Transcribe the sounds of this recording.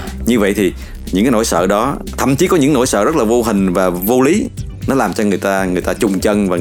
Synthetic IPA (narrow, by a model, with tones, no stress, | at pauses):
ɲɨ˧və̰˧˨jt̪ʰi˨˩ | ɲɨ̰˧˥ŋkaː˨˦no̰˧˨jsə̰ː˧˨ɗɔ˨˦t̪ʰə̰˧˨mt͡ɕi˨˦kɔ˨˦ɲɨ̰˧˥ŋno̰˧˥jsə̰ː˧˨zə˦˥t̚laː˨˩vo˧ɦï˨˩ŋ̟vaː˨˩vo˧li˨˦ | nɔ˨˦laː˨˩mt͡ɕɔ˧ŋɨ˨˩əjt̪aː˧ŋɨ˨˩əjt̪aː˧t͡ɕʊ˨˩ŋ͡mt͡ɕə˧nvaː˨˩